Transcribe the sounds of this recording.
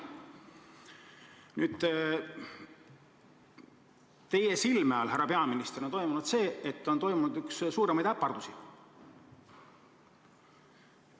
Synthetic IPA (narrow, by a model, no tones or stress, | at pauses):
nyːd̪̥ | t̪e̞jesilmeɑlhærːɑpe̞ɑminist̪eɾo̞nt̪o̞jmunud̪̥se̞ːet̪ːˑo̞nt̪o̞jmunud̪ykssuːɾemɑjd̪æpːˑɑrd̪usi